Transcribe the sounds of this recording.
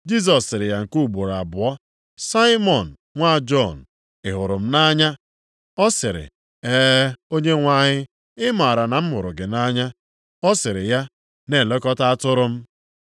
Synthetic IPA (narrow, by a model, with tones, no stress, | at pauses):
d͡ʒi˦s̬ɔ˨sːɪ˨ɾɪ˨ja˨ŋ̩˨ku˦˨ɡ͡bo˨ɾa˨bʊ˨ɔ˦ | sa˦ɪ˦mɔ˨n̩˨ŋʷa˦˨d͡ʒɔ˦˨n̩˨ | ɪ˨ɦʊ˨ɾʊ˨m̩˦na˦ɲa˦ | ɔ˦sɪ˨ɾɪ̰˨ | eː˦o˦ɲe˦ŋʷa˦ɲɪ˦ | ɪ˦ma˨ɾa˨na˨m̩˦mʊ˨ɾʊ˨ɡɪ˨na˦ɲa˦ | ɔ˦sɪ˨ɾɪ˨ja˦ | ne˨le˦kɔ˦ta˦a˦tʊ˦ɾʊ˦m̩˦